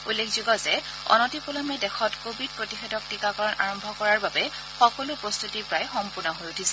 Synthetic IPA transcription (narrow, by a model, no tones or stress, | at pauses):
ulːekʰzuɡɔzɛ | ɔ̰nɔtipɔlɔmɛdɛxɔtkobʱid̚pɹotixedɔk̚tikakɔɹɔna̰ɹɔmbʱɔkɔɹaɹbabɛ | xɔkɔlʊpɹɔst̪utipɹajxɔmpuɹnɔɦojutʰisɛ̥